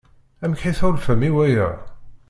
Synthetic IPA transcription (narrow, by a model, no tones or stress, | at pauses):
æmkħiθʊlfəmiwæjə̰